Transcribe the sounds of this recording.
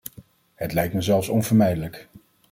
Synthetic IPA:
ɦətlɛjktməzɛlˠfsɔnvəɹmɛjdələk

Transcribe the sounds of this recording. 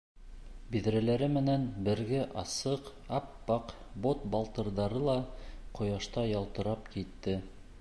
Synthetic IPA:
biðɾælæɾɘmɘ̆nænbɘ̆ɾɡɘʔɑsɤq | ɑpːɑq | bot̪bɑlˠt̪ɤ̆ɾðɑɾɤlˠɑqŏjɑʃt̪ɑjɑlˠt̪ɤ̆ɾɑpkit̪ːɘ

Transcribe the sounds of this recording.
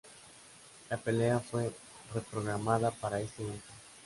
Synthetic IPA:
apeleafoj | repɾoɣɾamaðapaɾaest̪eiko

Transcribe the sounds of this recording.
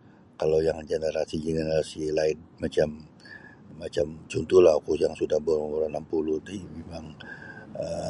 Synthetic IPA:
kalawjaŋd͡ʒenəɾasid͡ʒenenasilaɪt̚mat͡ʃamː | at͡ʃamt͡ʃunt̪ulahakujaŋsudahbormuɾanampuluht̪imemaŋ | ə

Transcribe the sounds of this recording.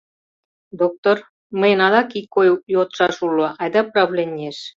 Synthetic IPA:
d̪ok̚t̪or | məjnɑd̪ɑkikːojjot̪ʃɑʃuloʔɑjd̪ɑprɑβlʲenʲːeʃ

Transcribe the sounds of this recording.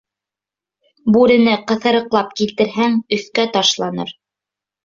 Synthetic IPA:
bʉɾɘ̆nɘqɤ̆θɤ̆ɾɤ̆qlˠɑp̚kilt̪ɘ̆ɾɦæŋɵ̆θkæt̪ɑʃlˠɑnɤ̰ɾ

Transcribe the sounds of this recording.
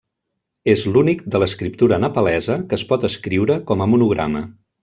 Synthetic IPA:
ezlunik̚d̪ələskɾip̚t̪uɾənəpəlɛzəkəːspɔt̪əskɾiwɾəkɔməmunuɣɾa̰mə

